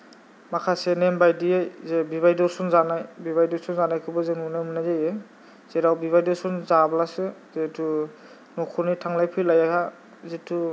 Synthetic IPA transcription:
makʰasenembajdiejzebiβajdɔɾsɔnzanajbiβajdɔɾsɔnzanajkʰɯbɔzenunamɯnajaje | z̥eɾawbiβajdɔɾsɔnzablasɯzetʰu | nɔkʰɔɾnitʰaŋlajpʰɯjlajaha | zetu

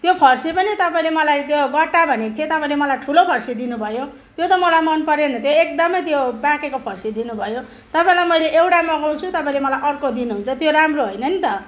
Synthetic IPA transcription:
t̪jopʰʌrsipʌnit̪ʌpaĩlemʌlajt̪joɡʌʈːabʱʌnekt̪ʰjet̪ʌpaĩlemʌlajʈʰulopʰʌrsid̪inubʱʌjo | t̪jot̪ʌmʌlajmʌnpʌɾenʌt̪joek̚d̪ʌmʌjt̪jobãkekopʰʌrsid̪inubʱʌjo | t̪ʌpaĩlajmʌjleʔewʈamʌɡaw̃t͡sʰut̪ʌpaĩlemʌlajʔʌrkod̪inuɦunt͡sʰʌt̪joɾamroɦojnʌnit̪ʌ

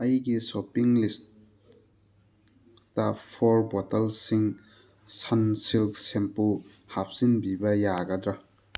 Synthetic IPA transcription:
ɐjɡisopiŋlist | tːɐpʰoɾbotɐlsiŋ | sɐnsilk̚sempu | hap̚sinbibɐjaɡɐdɾɐ

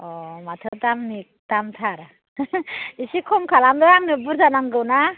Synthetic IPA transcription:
ɔmat̪ʰɯtamnik̚tamtʰaɾ | isikʰɔmkʰalamdɔɾaŋnɯbɯɾzanaŋɡɯwna

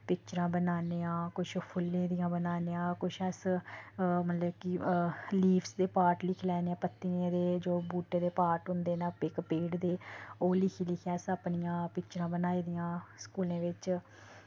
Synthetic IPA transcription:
pɪkt͡ʃɾãːbənaːneːãːkʊʃpʰʊlːẽːd̪ɪjãːbənaːneːãːkʊʃəs | mət̪ləbkɪliːfʰsd̪eːpaːɾʈlɪkʰlɛːneãːpət̪ːinẽːd̪eːd͡ʒoːbuːʈẽːd̪eːpaːʈɦʊ̃nd̪eːnaːɪkpeːɖd̪eːoːlɪkʰiːlɪkʰaːsəpnɪjãːpɪkt͡ʃɾãːbənaːiːd̪ijãːskuːlẽːʋɪt͡ʃ

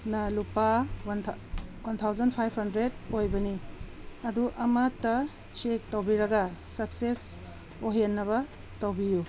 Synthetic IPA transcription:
nɐlupawnʰwɐnt̪ʰawzɐnpʰajphɐndɾed̚ojbɐni | ɐduʔɐmatːɐ | sek̚tɐwbiɾɐɡɐsɐkses | oɦenːɐβɐ | tɐwbiju

